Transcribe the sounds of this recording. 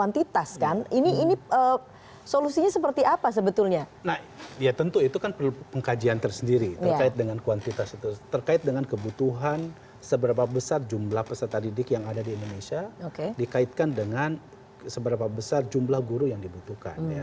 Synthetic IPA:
kwant̪it̪askanʔiniːniə | solusiɲasəpərt̪iʔapas̬əbət̪ulɲanahijat̪ənt̪uit̪ukanpərlupəŋkad͡ʒiant̪ərsəndiɾit̪ərkaɪt̪̚dəŋankuant̪it̪asit̪ut̪ərkaɪt̪̚dəŋankəbut̪uɦan | səbəɾapabəsard͡ʒumblahpəsət̪adidɪkjaŋadadiindonesiaokedikaɪt̪̚kandəŋan | səbəɾapabəsard͡ʒumblahɡuɾujaŋdibut̪uka̰nnja

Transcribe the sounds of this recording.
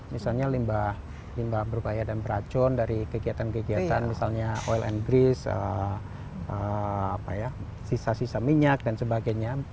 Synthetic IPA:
misalɲalimbah | limbahbəɾupajadanbəɾat͡ʃʊndaɾikəɡiat̪ankəɡiat̪anmisalɲaʔoilʔɛ̰nɡɾisə̰ | ʔəapaja | sisasisamiɲak̚dansəbaɡajɲa

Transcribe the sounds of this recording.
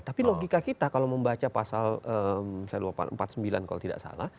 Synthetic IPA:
t̪apiloɡikakit̪akalawməmbat͡ʃapasaləmsajduapa̰nəmpat̪̚səmbilankalo̰t̪ida̰ʔsa̰la̰h

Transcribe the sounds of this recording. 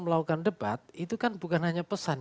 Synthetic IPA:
məlaukandəb̥at̪̚it̪ukanbukanɦaɲapəsan

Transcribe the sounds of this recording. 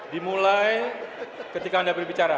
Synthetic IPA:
dimulaj | kət̪ikaːndabərbit͡ʃaɾa

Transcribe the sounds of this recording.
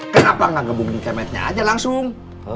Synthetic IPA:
kənapaŋaɡabuŋnikamɛt̪̚ɲa̰a̰d͡ʒalaŋsʊŋ

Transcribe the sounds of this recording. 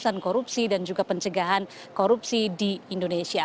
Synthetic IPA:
sankoɾupsidand͡ʒuɡapəɲt͡ʃəɡaɦan | koɾup̚sidiːndonesia

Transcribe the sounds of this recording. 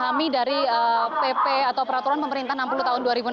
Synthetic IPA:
amidaɾiəpepeat̪awpəɾat̪uɾanpəməɾint̪anampuluht̪aɦʊnduaɾibu

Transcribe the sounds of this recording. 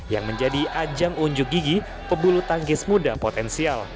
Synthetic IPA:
jaŋməɲd͡ʒadiʔad͡ʒaŋuɲd͡ʒʊk̚ɡiɡi | pəbulut̪aŋɡɪsmudapot̪ɛnsial

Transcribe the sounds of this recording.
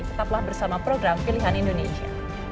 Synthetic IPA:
t̪ə̥t̪aplahbərsamapɾoɡɾampiliɦanindonesia̰

